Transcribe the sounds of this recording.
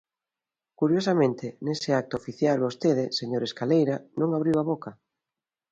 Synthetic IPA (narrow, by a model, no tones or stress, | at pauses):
kuɾjosamẽnt̪ɪnesɪak̚t̪ʊofiθjalβost̪eð̞ɪseɲoɾeskalejɾanõŋaβɾiwaβoka